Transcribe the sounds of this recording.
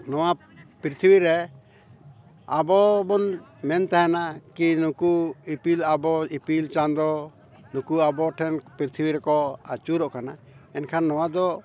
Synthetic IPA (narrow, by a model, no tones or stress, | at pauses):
nɔwa | pɾit̪ʰibiɾɛ | abɔbɔnmɛnt̪aɦɛnakinukuipilabɔipilt͡ʃand̪ɔ | nukuabɔʈʰɛnpɾiɾt̪ʰibiɾɛkɔa̰t͡ʃuɾɔʔkana | ɛnkʰanːɔwad̪ɔ